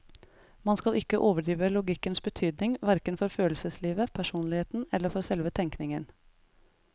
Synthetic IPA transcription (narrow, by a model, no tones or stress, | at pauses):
mɑnskɑlʔɪkəʔoːʋəɖɾiːʋəlʊɡɪkənsbət̪ʰyːd̪nɪŋʋæɾkənfɔɾføːlsəsliːʋəpʰæʂuːnlɪheːt̪n̩ɛlːəɾfɔɾsɛlʋət̪ʰɛŋknɪŋən